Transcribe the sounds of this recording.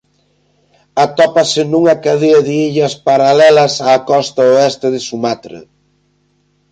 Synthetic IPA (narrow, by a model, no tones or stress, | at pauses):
at̪ɔpɐsɪnuŋɐkaðiɐðɪiʎɐspaɾalɛlɐsaːkɔst̪ɐoɛst̪ɪðɪsumat̪ɾɪ̰